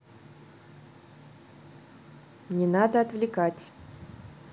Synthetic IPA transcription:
nʲɪnad̪əɐt̪vlʲɪkatʲ

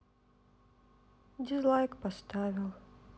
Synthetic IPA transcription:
d̪ʲizlˠajkpast̪avʲɪlˠ

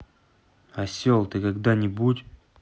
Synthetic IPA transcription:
asʲolˠt̪ɨkaɡd̪anʲɪbutʲ

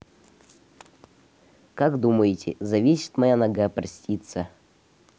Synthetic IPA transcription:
kaɡd̪uməjɪtʲɪ̰zɐvʲesʲɪ̥t̪mɐjanɐɡapɾɐsʲtʲit̪sə

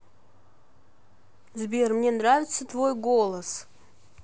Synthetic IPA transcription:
zbʲermnʲenravʲɪt̪sət̪vojɡolˠəs

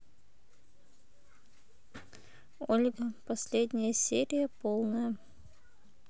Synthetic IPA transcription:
olʲɡəpɐsʲlʲed̪ʲnʲəjəsʲeɾʲɪjəpolˠnəjə

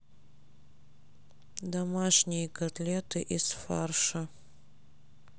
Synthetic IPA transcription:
d̪ɐmaʂnʲɪjəkɐt̪lʲet̪ɨʔisfarʂɐ

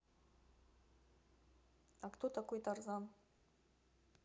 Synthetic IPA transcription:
akt̪ʰot̪akojt̪arzan

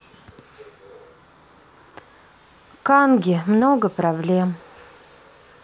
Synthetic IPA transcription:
kanɡʲɪmnoɡəpɾɐblʲem

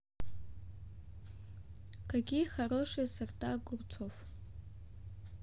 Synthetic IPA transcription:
kʰaɡʲiχaɾoʂesɨrtʼaɡʷʊrt͡sʰof

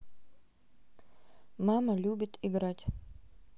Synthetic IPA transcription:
mamɐlʲubʲɪt̪ʰiɡɾatʲ

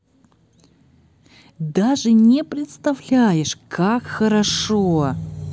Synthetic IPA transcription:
d̪aʐɨnʲɪpɾʲɪt̪st̪ɐvlʲæjɪʂkʰakxəɾɐʂo

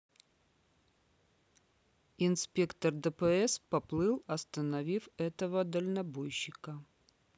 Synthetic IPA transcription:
ɪnspʲe̞kt̪ərd̪əpɛɛspɐplˠɨlˠɐst̪ənɐvʲifɛt̪əvəd̪əlʲnɐbojɕːɪkə

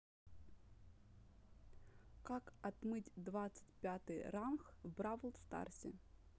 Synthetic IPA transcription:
kakɐt̪mɨtʲd̪vat̪sɨ̥tʲpʲat̪ɨjramxvbɾavəlˠt̪st̪a̰rsʲɪ̰

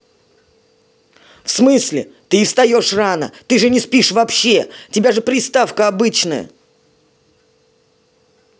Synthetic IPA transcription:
fsmɨsʲlʲɪ̰t̪ɨɪfst̪ɐjo̞ʂranə̰t̪ɨʐɨnʲɪspʲiʂvɐpɕːetʲɪbʲaʐɨpɾʲɪst̪afkəɐbɨt͡ɕnəjə̰

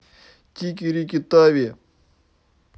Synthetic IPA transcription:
kikiɾikit̪aːwe

